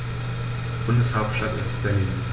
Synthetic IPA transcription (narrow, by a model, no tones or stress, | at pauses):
b̥ʊndəshaʊp̚tʃtatɪst̚b̥ɛliːn